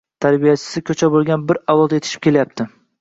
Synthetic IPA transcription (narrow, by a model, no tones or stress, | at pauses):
t̪ʰaɾbijat͡ʃʰɪ̥sɪkʲʰɵt͡ʃʰabolˠɡʲanbɪɾawlɒlˠd̪aet̪ʰɪ̥ʃɪ̥p̚kʲelajap̚t̪ʰɪ